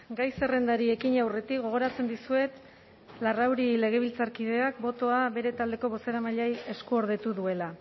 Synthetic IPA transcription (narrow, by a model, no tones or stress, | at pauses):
ɡajse̞re̞nd̪aɾie̞kiɲawre̞t̪ikɡo̞ɣ̞o̞ɾat͡se̞nd̪isue̞t̪ | larawɾile̞ɣ̞e̞β̞ilt͡saɾkið̞e̞ak̚bo̞t̪o̞aβe̞ɾe̞t̪ald̪e̞ko̞β̞o̞se̞ɾamaʎaje̞skuoɾð̞e̞t̪uðue̞la